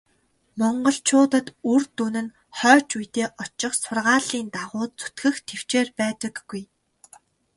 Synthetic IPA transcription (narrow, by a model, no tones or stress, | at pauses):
mɔɴɢɞ̆ɮt͡ɕʰʊːt̪ə̆t̪urt̪unɘ̆n | χœːt͡ɕujt̪eːʔɔt͡ɕɪ̆χsʊrʁaːɮiːnt̪aʁʊːt̪̚t͡su̥t̪ɡɘ̆xt̪ʰew̥t͡ɕeːrpæːt̪ə̆kːuj